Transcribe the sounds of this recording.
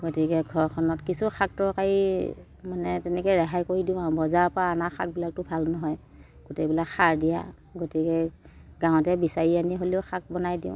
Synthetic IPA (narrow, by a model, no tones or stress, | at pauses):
ɡotikɛɡʱɔɹkʰɔnɔtkisuxak̚tɔɹkaɹi | manɛtɛnɛkɛɹaɦajkoɹidiʊ̃aʊ̃bɔzapaanaxʰa̰k̚bilak̚tʊbʱalnɔɦɔj | ɡ̥otebilakxaɹdija̰ | ɡotikɛɡãw̃ɔtɛbisaɹianiɦoliʊxʰak̚bɔnajdiʊ̃